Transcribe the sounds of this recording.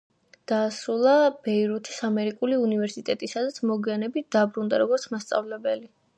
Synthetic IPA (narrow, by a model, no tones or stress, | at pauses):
d̪̥aːsɾulˠab̥ɛiɾut̪ʰisamɛɾikʼuliunivɛɾsit̪ʼɛt̪ʼisad̪at̪sʰmɔɡianɛbit̪̚ʰd̪̥abɾund̪aɾɔɡɔɾt̪sʰmast̪sʼa̰vlɛbɛli